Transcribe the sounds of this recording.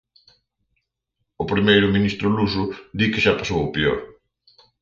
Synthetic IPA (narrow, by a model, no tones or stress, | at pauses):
ʊpɾimejɾʊmĩnist̪ɾʊlusʊd̪ikɪʃapasowopeo̰ɾ